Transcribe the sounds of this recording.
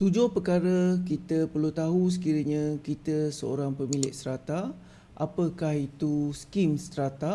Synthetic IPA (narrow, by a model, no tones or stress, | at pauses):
t̪ud͡ʒʊhpəkaɾəkit̪əpərlut̪aɦus̬ə̥kiɾəɲãkit̪əsəo̰ɾaŋpəmilɪʔ̚st̪ɾat̪a | ʔapəkahit̪uskimst̪ɾat̪a